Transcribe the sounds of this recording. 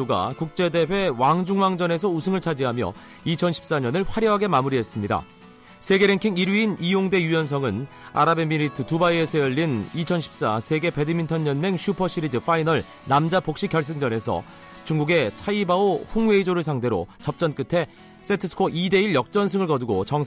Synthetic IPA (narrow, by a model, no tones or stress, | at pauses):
oɡa̰kuk̚t͡ɕ͈e̞de̞ɸwe̞waŋd͡ʑuŋwaŋd͡ʑʌne̞s̬ʰʌusʰɯŋɯɭt͡ɕʰad͡ʑiɦamjʌ̰ | it͡ɕʰʌnɕʰi̥p̚s͈aɲʌnɯɭɸwaɾjʌɦaɡe̞mamuɾiɦe̞s͈ɯmɲida̰ | sʰe̞ɡe̞ɾe̞ŋkʰiŋiɾɥiinijoŋde̞jujʌns̬ʰʌŋɯn | a̰ɾabe̞miɾitʰɯtubaie̞sʰʌjʌʎːinit͡ɕʰʌnɕʰi̥p̚s͈asʰe̞ɡe̞pe̞dɯmintʰʌɲɲʌnme̞ŋɕʰupʰʌɕʰiɾid͡ʑɯfʰainʌɭ | namd͡ʑapok̚ɕ͈ikʰjʌɭs̬͈ɯŋd͡ʑʌne̞sʰʌ̰ | t͡ɕuŋɡuɡe̞t͡ɕʰaibaoɸuŋwe̞id͡ʑoɾɯɭsʰaŋde̞ɾo̰t͡ɕʌp̚t͡ɕ͈ʌnk͈ɯtʰe̞ | s͈etʰɯsʰɯ̥kʰoʔide̞iɭjʌk̚t͡ɕ͈ʌns̬ʰɯŋɯɭkʌdɯɡot͡ɕʌŋ